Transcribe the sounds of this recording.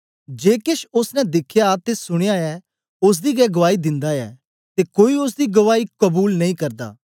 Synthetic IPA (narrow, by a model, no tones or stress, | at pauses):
d͡ʒeːkɪʃʊsnɛ̃d̪ɪkʰjat̪esʊɽ̃ejaːɛː | ʊs̬d̪iːɡɛːɡəʋaːid̪ɪ̃nd̪aɛ̰ː | t̪eːkoːiʊs̬d̪iːɡəʋaːiːkəbuːlnɐĩkɐɾd̪a̰ː